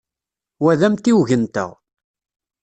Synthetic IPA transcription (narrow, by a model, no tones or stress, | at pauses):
wæðæmt̪iwʝənt̪ə̰ʁ